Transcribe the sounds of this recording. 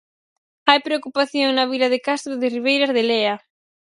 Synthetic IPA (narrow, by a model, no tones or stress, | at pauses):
ajpɾeokupaθjoŋnɐβilɐðɪkast̪ɾʊðɪriβ̞ejɾɐzðeleɐ